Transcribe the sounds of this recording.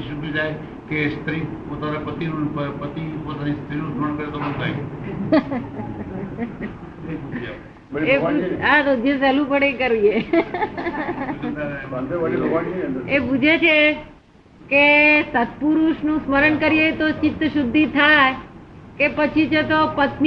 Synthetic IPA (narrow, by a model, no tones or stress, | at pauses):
ʃud̪ʱid͡ʒaj | kest̪ɾipot̪aɾapət̪inũəpət̪ipot̪anist̪ɾinũd͡ʒʱoəɳkəɾet̪obə̃t̪ʰaj | nəibud͡ʒa | eaɾod̪jəsalũpəɽekəɾije | aepud͡ʒʱet͡ʃʰe | kesət̪̚puɾuʃnũsməɾəɳkəɾiet̪ot͡ʃɪt̪ːəʃʊd̪ʱːit̪ʰajkepət͡ʃʰid͡ʒet̪opət̪n